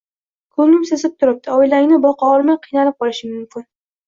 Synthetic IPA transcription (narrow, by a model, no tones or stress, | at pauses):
kʰɵnʲɪmsɪsɪp̚t̪ʰʊɾɪp̚t̪ʰɪojlaŋʲnɪbɒqʰɑɒɾmajqʰɨjnalɪp̚qʰɒlɪʃɪmʊmkʲʰɪn